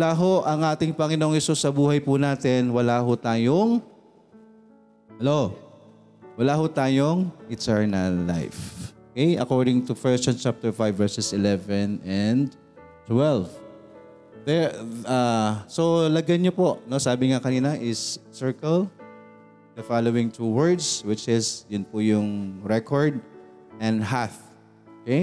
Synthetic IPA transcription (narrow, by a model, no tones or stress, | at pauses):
wlaːɦo̞ʔɐŋʔaːt̪ɪŋpɐŋɪnoŋhɛsusːɐbuːhɐjpʊnaːt̪ɛnwɐlaːɦʊt̪aːjoŋ | hɛlo | wɐlaːhot̪aːjoŋʔɪt̪ɛɹnɐlːa̰jfʔokɛjʔɐ̰koɹd̪ɪŋt̪ufɛɹst͡ʃɐnt͡ʃap̚t̪ɛɹfajvvːɛɹsɛsɪlɛvɛnɐnd̪ | t̪wɛlv | ðɛɹasolɐɡɐnɲopoʔnosaːbɪŋakɐniːnɐʔɪsːɛɹkɐl | d̪ɐfalowɪ̃ŋt̪ʰuwɛɹd̪swɪt͡ʃɪsjʊnpʊjʊŋɹɛkʰoɹd̪̚ | ʔɐ̃nd̪haθ | ʔokej